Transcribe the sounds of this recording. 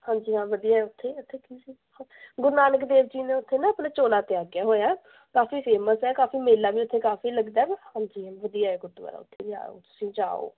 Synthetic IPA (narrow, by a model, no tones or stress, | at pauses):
hãːɲd͡ʒiːɦãːʋəd̪ijaːɦɛʊt̪ʰːeːʊt̪ʰːeːkisiː | aɡʊɾnaːnəkd̪eːʋd͡ʒiːnẽːʊt̪ʰːeːnãːəpnãːt͡ʃoːlaːt̪ɪaːɡɪjaːɦoːjaː | kaːfiːpʰeːməsɦɛːkaːfiːmeːlaːʋiːʊt̪ʰːeːkaːfiːləɡd̪aːɛbhãːɲd͡ʒiːʋəd̪ijaːɛːɡʊt̪ʋa̰ːɾa̰ːʊ̰t̪ʰːeːd͡ʒa̰ːo̰ːt̪ʊ̥sĩːd͡ʒa̰ːo̰ː